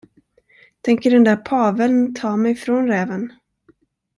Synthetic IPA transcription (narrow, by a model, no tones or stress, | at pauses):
t̪ʰɛŋkəɖɛnd̪æɾpʰɑːvəlnt̪ʰɑːmɛjfɾɔnɾɛːvən